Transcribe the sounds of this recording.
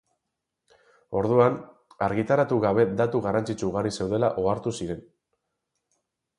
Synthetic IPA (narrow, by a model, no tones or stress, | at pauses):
o̞ɾðuan | aɾɣit̪aɾat̪uɣaβe̞d̪at̪uɣarant͡sit͡ʃuuɣaɾise̞wð̞e̞laʔo̞aɾt̪usiɾe̞n